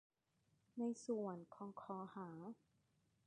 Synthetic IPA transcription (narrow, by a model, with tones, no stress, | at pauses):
na˧jsu˨˩ənkʰɔː˨˧˦ŋkʰɔː˨˩˦haː˩˦